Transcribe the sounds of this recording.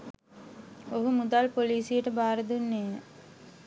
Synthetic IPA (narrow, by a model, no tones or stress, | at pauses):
oɦumud̪alpoliːsijəʈəbaːɾəd̪unːeːə